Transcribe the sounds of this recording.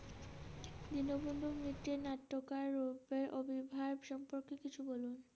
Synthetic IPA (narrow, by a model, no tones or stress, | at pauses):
d̪inobembomɾiʈːenaʈːokaɾːupeɾʔobʱibʱabʃɔmpoɾkekit͡ɕʰubolun